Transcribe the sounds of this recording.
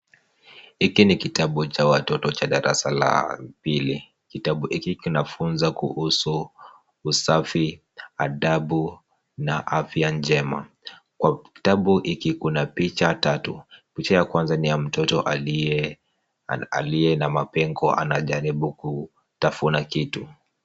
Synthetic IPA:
hikinikitaɓut͡ʃawatɔtɔt͡ʃaɗaɾa̰sala̰pili | kitaɓuhikikinafunzakṵhusuː | safi | aɗaɓu | naʔafjand͡ʒɛma̰ | kwaki̥taɓuʔikikunapit͡ʃatatupit͡ʃajakwanzanijam̩tɔtɔʔali | a̰lijɛnamapɛŋɡɔa̰naʄaɾiɓuku | tafunakitu

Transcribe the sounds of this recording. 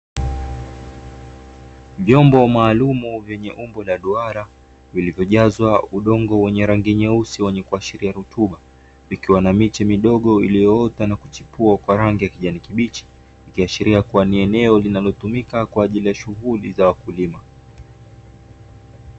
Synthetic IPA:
vjɔmbɔmaːlumuvjɛɲɛʔumbɔlaɗuaɾa | vilivjɔʄazwauɗɔŋɡɔwɛɲɛɾaŋɡiɲɛusiwɛɲɛkuaʃiɾiaɾutuɓa | vikiwanamit͡ʃɛmiɗɔɠɔilijɔɔtanaku̥t͡ʃipuakwaɾaŋɡijakiʄanikiɓit͡ʃi̥ | ikiaʃiɾiakuaniɛnɛɔlinalɔtumikakwaːʄilijaʃuɣulizawakulima

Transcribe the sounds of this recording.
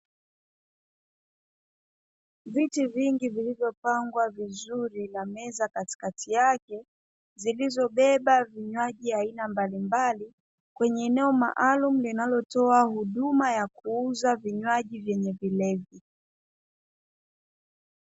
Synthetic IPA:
vitiviŋɡivilivjɔpaŋɡwavizuɾinamɛzakati̥katʰijakɛ | zilizɔɓɛɓaviɲwaʄiainambalimbali | kwɛɲɛːnɛɔma̰ʔalum̩linalɔtɔahuɗumajakuuzaviɲwaʄivjɛɲɛvilɛvi

